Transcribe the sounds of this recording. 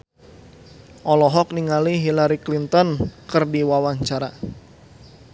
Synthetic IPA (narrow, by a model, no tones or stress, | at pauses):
ʔɔlɔɦɔk̚niŋaliɦilaɾiklint̪ɔnkɨrdiwawaɲt͡ʃaɾa